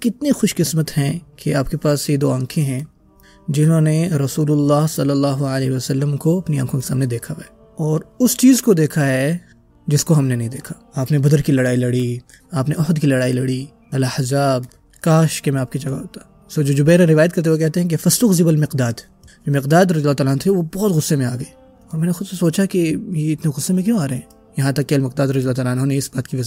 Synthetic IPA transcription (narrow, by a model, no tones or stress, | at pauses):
kɪt̪nexʊʃkɪsmət̪hɛ̃kʰeaːpkepaːsed̪oːãːkʰẽɦɛ̃ | d͡ʒɪnɦõneɾɐsuːlʊlːaːɦsɐlːɐlːaːɦoalɛːɦiʋɐsɐlːəmkoɐpniã̰ːkʰõke̥sa̰ːmned̪eːkʰaʋɛ | ɔːɾʊst͡ʃiːzkod̪eːkʰaɦɛ | d͡ʒɪskoɦɐmnenɐɦĩd̪eːkʰḁ | aːpnebɐd̪əɾkilɐɽaːilɐɽi | aːpneɔɦd̪kilɐɽaːilɐɽi | ɐlaħɐzaːb̚ | kaːʃkemɛ̃aːp̚kid͡ʒɐɡaɦoːt̪ḁ | soːd͡ʒoːd͡ʒʊbɛːɾẽɾɪʋaːjət̪̚kɐɾt̪eʋok̬ɛɦt̪eɦɛ̃k̬efɐst̪ʊxzɪbɐlmɪqd̪aːd̪ | d͡ʒoːmɪqd̪aːd̪ɾɐzilaːt̪aːlaːnt̪ʰeʋobɔːt̪ɣʊsːemẽaːɡɐe | ɔːɾmɛːnexʊd̪ssoːt͡ʃakejeɪt̪neɣʊsːemẽk̬jõaːɾeɦɛ̃ː | jɐɦãt̪ɐkːeɐlmɪq̚d̪aːd̪ɾɐziəlaːt̪aːlaːnɦoːneɪsbaːt̪kiʋɐz